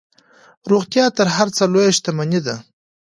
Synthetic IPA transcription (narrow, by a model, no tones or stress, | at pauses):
ɾuɣt̪jɑt̪əɾɦaɾt͡səlojaʃt̪amanid̪a